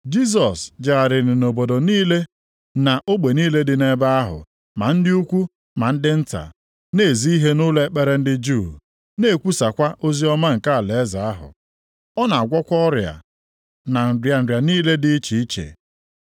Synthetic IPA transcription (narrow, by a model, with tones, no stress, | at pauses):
d͡ʒi˦s̬ɔ˨sd͡ʒa˨a˨ɾɪ˨ɾɪ˨no˨bo˨do˨niː˦le˦ | na˨ʔo˦ɡ͡be˨niː˦le˦dɪ˨ne˦ba˦a˦ɦʊ̰˨ | ma˨n̩˦dɪ˦u˦kʷu˦ | ma˨n̩˦dɪ˦n̩˦ta̰˨ | ne˦˨zi˦i˦ɦe˦nʊ˦le˦k͡pe˦ɾe˦n̩˦dɪ˦d͡ʒu˦˨ | ne˦˨kʷu˦sa˨kʷa˦ʔo˦zi˦ɔ˦ma˦ŋ̩˨ka˦a˨le˨e˦za˨a˦ɦʊ̰˨ | ɔ˦na˨a˨ɡʷɔ˦kʷɔ˦ɾja̰˨ | na˨n̩˨dja˨n̩˨da˨niː˦le˦dɪ˦i˦t͡ʃi˨i˦t͡ʃḛ˨